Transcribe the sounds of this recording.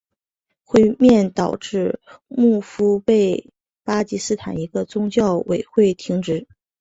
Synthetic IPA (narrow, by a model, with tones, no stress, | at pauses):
xwe˥˧ɪmjɛ˥˩nt̪ɑ˨˩ʊʈ͡ʂɻ̩˥˧mu˥˩fu˥pe˥˩ɪ | pa˥t͡ɕi˧˥sɹ̩˥t̪ʰa̰˨˩ni˧˥ɡə˧t͡sʊ˥ŋt͡ɕjɑ˥˩ʊwe˨˩ɪxwe˥˩ɪt̪ʰi˧˥ŋʈ͡ʂɻ̩˧˥